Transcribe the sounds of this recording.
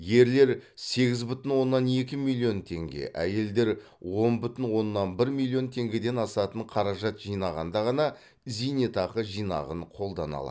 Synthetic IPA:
je̞ɾle̞ɾse̞ɡʲɪzbʏt̪ɪnwo̞nːɑnek̬ʲɪmilʲˠːijo̞nt̪ʰe̞̰ŋɡʲe̞̰ʔæje̞ld̪e̞ɾ | wo̞nbʏt̪ɪnwo̞nːɑnbɪɾmilʲˠio̞nt̪ʰe̞ŋɡʲe̞d̪e̞nɑsɑt̪əɴqʰɑɾɑʒɑt̪ʒ̥ijnɑʁɑnd̪ɑʁɑnɑ | zijnet̪ɑqəʒijnɑ̰ʁəɴqʰo̞lˠd̪ɑ̰nɑ̰lˠɑ̰

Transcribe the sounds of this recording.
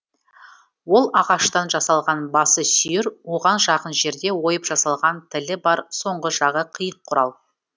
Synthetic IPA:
wo̞lˠɑʁɑʃt̪ɑnʒɑsɑlˠʁɑnbɑsəsʏjɪɾwo̞ʁɑnʒɑqənʒe̞ɾd̪e̞wo̞jəpʒ̥ɑsɑlˠʁɑnt̪ʰɪlɪbɑɾso̞ɴʁəʒɑʁəqʰijəɴqʰʊɾɑlˠ

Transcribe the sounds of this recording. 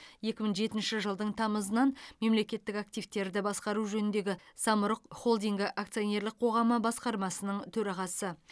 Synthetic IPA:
je̞kʲɪməɴʒe̞t̪ɪnʃɪʒəlˠd̪əɴt̪ʰɑməzənɑnme̞mle̞kʲe̞t̪ːɪkak̚t̪ijvt̪e̞ɾd̪ɪbɑsqɑɾuʒɵnɪnd̪e̞ɡʲɪsɑmʊɾəqχo̞lˠd̪ijŋɡʲɪʔakt̪sɨione̞ɾlˠɪkq̚qʰo̞ʁɑməbɑsqɑɾmɑsənəɴt̪ʰɵɾɑʁɑsə

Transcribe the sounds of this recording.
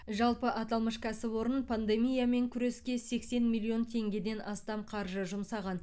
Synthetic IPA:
ʒɑlˠpəʔɑt̪ɑlˠməʃkʲʰæsɪpwo̞ɾənpʰand̪e̞mʲijame̞ŋkʲʰʏɾe̞skʲe̞se̞kse̞nmilʲˠio̞nt̪ʰe̞ŋɡʲe̞d̪e̞nʔɑst̪ɑmqʰɑɾʒəʒʊmsɑʁɑn

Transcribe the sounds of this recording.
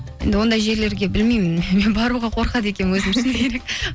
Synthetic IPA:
end̪ɪwo̞nd̪ɑjʒe̞ɾle̞ɾɡʲe̞bɪlmijmɪnme̞nbɑɾuʁɑqʰo̞ɾqɑd̪əe̞kʲe̞nnwɵzɪmɪkʰeɾek̚

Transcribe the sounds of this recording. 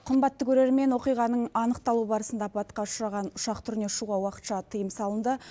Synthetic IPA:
qʰəmbɑt̪ːəkʲʰɵɾe̞ɾme̞nwo̞qijʁɑnəɴɑnəq̚t̪ɑlˠubɑɾəsənd̪ɑpʰɑt̪qɑʊʃɾɑʁɑnʊʃɑqt̪ʰʏɾne̞ʃuʁɑwɑqə̥t̪ʃɑt̪ʰəjəmsɑlˠənd̪ə

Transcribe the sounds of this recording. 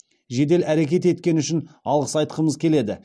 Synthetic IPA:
ʒe̞d̪e̞læɾekʲe̞t̪e̞t̪̚kʲe̞nʏʃɪnɑlˠʁəsɑjt̪qəməzkʲʰe̞le̞d̪ɪ

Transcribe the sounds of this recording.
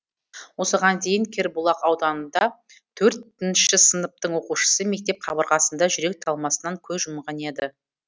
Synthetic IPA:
wo̞səʁɑnd̪e̞jɪŋkʲʰe̞ɾbulˠɑqɑwd̪ɑnənd̪ɑ | t̪ʰɵɾt̪ɪnʃɪsənəp̚t̪əɴwo̞quʃə̥səme̞k̚t̪e̞p̚qʰɑbəɾʁɑsənd̪ɑʒʏɾe̞k̚t̪ʰɑlˠmɑsənɑŋkʲʰɵzʒʊmʁɑne̞d̪ɪ

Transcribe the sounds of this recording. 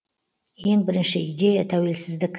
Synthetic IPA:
e̞ŋbɪɾɪnʃɪid̪e̞jat̪ʰawelsɪzd̪ɪkʲ

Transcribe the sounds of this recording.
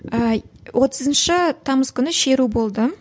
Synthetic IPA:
əwʔo̞t̪ʰəzənʃɪt̪ʰɑməzkʲʰʏnɪʃe̞ɾubo̞lˠd̪ə

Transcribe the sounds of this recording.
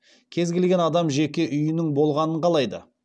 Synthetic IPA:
kʲʰe̞zɡʲe̞lɡʲe̞nɑd̪ɑmʒe̞kʲe̞ʔʏjɪnɪŋbo̞lˠʁɑnəɴqʰɑlˠɑjd̪ə̰

